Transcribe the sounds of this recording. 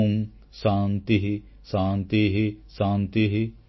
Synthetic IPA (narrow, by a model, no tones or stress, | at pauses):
m | saːnt̪iɦi | saːnt̪iɦisãːnt̪iɦi